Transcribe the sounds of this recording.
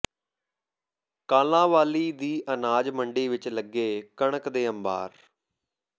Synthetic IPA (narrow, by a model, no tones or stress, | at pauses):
kaːlãːʋaːliːd̪iːʔənaːd͡ʒməɳɖiːʋɪt͡ʃləɡːeːkəɳəkd̪eːəmba̰ːɾ